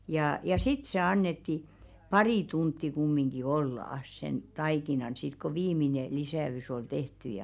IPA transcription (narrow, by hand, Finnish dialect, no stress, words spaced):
jɑˑ jɑ sit se ɑnːetːi pɑriˑ tuntːi kumːiŋɡ̊i olːɑɑ̆s sen tɑikinɑn sit ko ʋiːmine lisæys ol tehty jɑ